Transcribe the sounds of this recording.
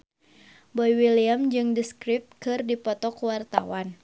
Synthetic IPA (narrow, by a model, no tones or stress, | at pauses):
bɔjwiliamd͡ʒɨŋdiskɾɪp̚t̪̚kɨrdipɔt̪ɔkuwart̪a̰wan